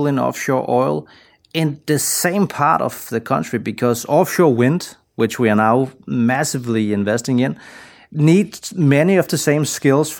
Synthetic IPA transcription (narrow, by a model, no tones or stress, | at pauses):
lˠɪ̃nɔ̰fʃɔɹʔɔɪlˠ | ɪ̃nðɨsẽɪ̃mpʰɑɹɾʌ̰v̥ðɨkʰʌ̃nt͡ʃɹ̥ibɨkʰʌzɔfʃɔɹwɪ̃nd̥ | wɨt͡ʃwiənaʊmæsɨvliɪ̃ɱvɛstɪ̃ŋɪ̃n | nidmɛniʌvðɨsẽɪ̃mskɪlˠz̥f